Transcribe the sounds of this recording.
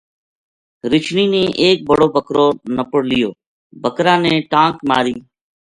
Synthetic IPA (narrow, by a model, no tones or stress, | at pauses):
ɾɪt͡ʃʰniːnẽːʔeːk̚bəɽoːbʱəkɾoːnəpəɽlɪjoː | bʱəkɾãːnẽːʈãːkmaːɾiː